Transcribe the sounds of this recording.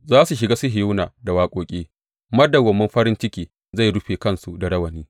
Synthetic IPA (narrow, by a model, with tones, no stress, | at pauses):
zaː˦su˨ʃ̬ɪ˨ɡaː˦sʊ˦ɦɪ˨ju˦naː˨da˨waː˦kʷʼoː˨kʲʼeː˦ | mɐ˦da˨wɐ˨mːɐ˦mɸɐ˦ɾɪ˦nt͡ʃɪ˦kʲeː˨ | za˦˨jɽʊ˦ɸeː˨kɐ˦˨nsu˨da˨ɽɐ˦wɐ˨niː˦